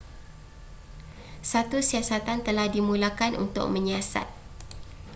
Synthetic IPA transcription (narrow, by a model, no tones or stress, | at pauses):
sat̪usiasat̪ant̪əlahdimũlakanʔṵnt̪ʊ̰k̚mə̃ɲasa̰t̪̚